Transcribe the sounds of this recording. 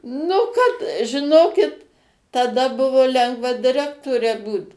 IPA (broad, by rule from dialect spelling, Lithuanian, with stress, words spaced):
ˈnʊ kɐt ʒʲɪˈnoːkʲɪt tɐˈdɐ ˈbʊʋoː ˈlʲɛŋɡʋɐ dʲɪˈrʲæːktoːrʲɛ ˈbuːt